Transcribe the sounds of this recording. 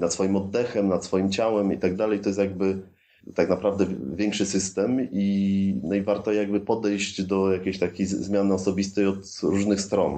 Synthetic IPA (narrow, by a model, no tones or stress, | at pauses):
nat̪sfɔjimɔd̪ːɛxɛmnat̪sfɔjimt͡ɕawɛmit̪aɡ̚d̪alɛjt̪ɔjɛst̪jaɡ̚bɘ | t̪aknapɾavd̪ɛvʲjɛŋkʂɘsɘst̪ɛminɔivaɾt̪ɔjaɡ̚bɘpɔd̪ɛjʑd͡ʑd̪ɔjakʲeɕt̪akʲejzmʲjanɘɔsɔbʲist̪ɛjɔt̪ɾuʐnɘxst̪ɾɔn